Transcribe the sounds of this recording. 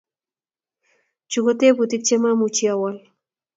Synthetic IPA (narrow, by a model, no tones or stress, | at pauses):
t͡ʃuɡot̪ebut̪ik̚t͡ʃemamut͡ʃiawal